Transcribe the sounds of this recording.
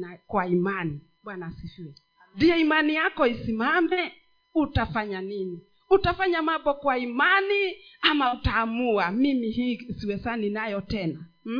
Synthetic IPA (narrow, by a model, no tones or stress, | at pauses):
kwaimani | ɓwanasifiɛ | ndiɔimanijakɔisimamɛ | utafaɲanini | utafaɲamabɔkwaimaniamautaːmuamimihisiwɛsaninajɔtɛna